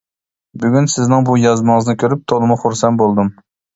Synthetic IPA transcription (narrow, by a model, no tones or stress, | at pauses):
byɡʲynsɪznɪŋbujɑzmɨŋɨznɪkʲʰøɾyp̚t̪ʰolˠɨmʊχʊɾsɛnbolˠd̪ɨm